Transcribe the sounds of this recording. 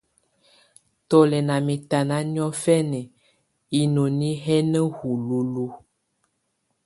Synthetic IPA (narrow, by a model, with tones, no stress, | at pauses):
t̪ɔ˦lɛ˨nã˨mẽ˨t̪a˨nã˨˦ɲɔ̃˦fɛ˦nɛ̃˨ | i˦nõ˨nĩ˦ɦɛ˦nɛ̃˦ɣu˨lu˨lu˦